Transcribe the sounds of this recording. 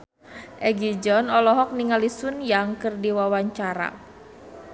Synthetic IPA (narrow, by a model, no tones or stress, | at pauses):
ʔɛɡid͡ʒɔnɔlɔɦɔk̚niŋalisunjaŋkɨrdiwawaɲt͡ʃaɾa̰